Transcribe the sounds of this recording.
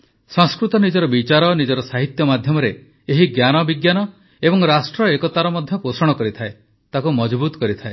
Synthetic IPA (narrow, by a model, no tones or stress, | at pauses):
sɔŋskɾut̪ɔnid͡ʒɔɾɔbit͡ʃaɾɔnid͡ʒɔɾɔsaɦit̪jɔmad̪ʱjɔmɔɾe | eɦiɡjanɔbiɡjanɔ | ebɔŋɾasʈɾɔekɔt̪aɾɔmɔd̪ʱjɔposɔɽ̃ɔkɔɾit̪ʰae | t̪akumɔd͡ʒbut̪ɔ̥kɔɾit̪ʰae